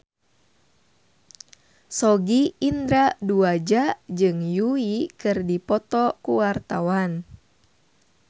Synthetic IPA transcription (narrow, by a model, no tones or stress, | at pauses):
sɔɡiːnd̪ɾaduad͡ʒad͡ʒɨŋjuikɨrdipɔt̪ɔkuwart̪awan